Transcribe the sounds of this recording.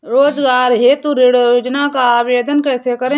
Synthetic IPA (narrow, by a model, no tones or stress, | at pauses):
ɾoːd͡ʒɡaːɾɦeːt̪uɾeɽjoːd͡ʒnakaːʋeːd̪ənkɛːsekəɾẽː